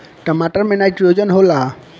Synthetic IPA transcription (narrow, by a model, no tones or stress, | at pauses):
ʈəmaʈəɾmenajpɾijod͡ʒɔnɦola